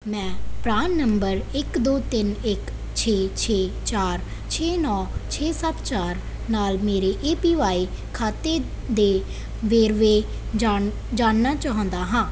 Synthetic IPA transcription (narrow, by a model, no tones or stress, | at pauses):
mɛ̃ːpɾaːnːəmbəɾɪkd̪oːt̪ɪnɪk | t͡ʃʰeːt͡ʃʰeː | t͡ʃaːɾ | t͡ʃʰeːnɔːt͡ʃʰeːsəbt͡ʃaːɾ | naːlmeːɾeːʔeːpiːʋaːiː | kʰaːt̪eː | d̪eː | ʋeːɾʋeː | d͡ʒa | d͡ʒaːnːaːt͡ʃaːɦõːnd̪aːɦãː